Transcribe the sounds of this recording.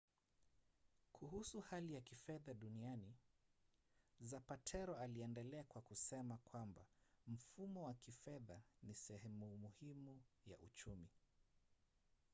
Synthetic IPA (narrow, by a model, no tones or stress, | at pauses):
kʰuɦusuhalijakifɛðaɗuniani | zapatʰɛɾɔaliɛndɛlɛakwakusɛmakwambam̩fumɔwakifɛðanisɛhɛmumuhimuja̰ʔṵt͡ʃumi